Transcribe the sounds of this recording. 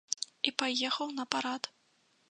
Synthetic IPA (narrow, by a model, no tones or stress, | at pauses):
ipajɛxɐwnɐpaɾat̪